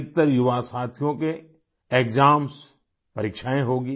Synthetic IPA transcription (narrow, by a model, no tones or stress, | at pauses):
k̚t̪əɾjʊʋasaːt̪ʰjõke | eːkd͡ʒaːms | pɐɾɪkʃaːẽɦoːɡiː